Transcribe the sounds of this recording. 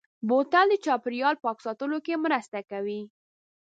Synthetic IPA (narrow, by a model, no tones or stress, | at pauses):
bot̪ald̪ət͡ʃɑpɪɾijɑlpɑksɑt̪əlokemɾəst̪akawi